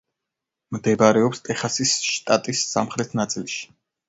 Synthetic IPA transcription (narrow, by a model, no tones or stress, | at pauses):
md̪ɛbaɾɛɔpst̪ʼɛχasisʃt̪ʼat̪ʼisːa̰mχɾɛt̪ʰnat̪sʼilˠʃi̥